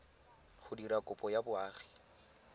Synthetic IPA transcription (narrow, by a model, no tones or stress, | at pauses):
χʊdiɾakʼʊpʼɔjabʊaːχi̥